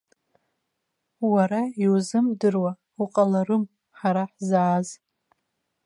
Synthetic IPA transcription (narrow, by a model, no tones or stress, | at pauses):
waɾaiwuzɨmdɨrwa | uqʼalaɾɨm | ħaɾaħzaʕːz